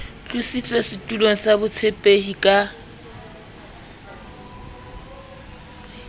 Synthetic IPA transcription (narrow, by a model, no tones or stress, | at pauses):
t͡ɬʼusit͡sʼwesɪtʼuloŋ̩sabʊt͡sʰepʼeɦikʼa